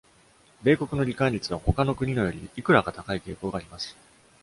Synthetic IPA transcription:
be̞ːko̞kɯ̟no̞ɾʲikãɲʲɾʲit͡sɨβ̞aho̞kano̞kɯ̟ɲ̟ino̞jo̞ɾʲḭikɯ̟ɾaɡat̪akaike̞ːko̞ːɡaːɾʲimasɨ̥

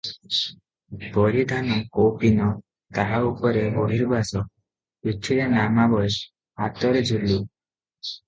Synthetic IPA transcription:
boɾid̪ʱanɔkowpinɔ | t̪aɦaupɔɾeoɦiɾbʱasɔk̚ | itʰːiɾenamabɔjʃ | at̪ɔɾed͡ʑʱulːu

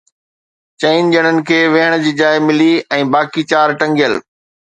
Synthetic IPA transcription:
t͡ɕɐɪnd͡ʑəɽ̃ənɪ̆kʰeːʋeɦɪɽ̃d͡ʑiːd͡ʑaːɪmɪliɛ̃ːbaːkit͡ɕaːɾʈɐ̃ŋɡɪjəl

